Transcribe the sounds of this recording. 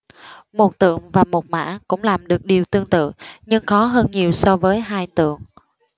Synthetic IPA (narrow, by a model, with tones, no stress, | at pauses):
mo˨˩t̚t̪ɨ̰˧˨əŋvaː˨˩mo˨˩t̚ma̰ː˧˥kʊ̰˧˥ŋ͡mlaː˨˩mɗɨ˨˩ək̚ɗi˨˩əwt̪ɨ˧əŋt̪ɨ̰˧˨ɲɨ˧ŋxɔ˨˦ɦəː˧nɲi˨˩əwsɔ˧vəː˨˦jɦaː˧jt̪ɨ̰˧˨əŋ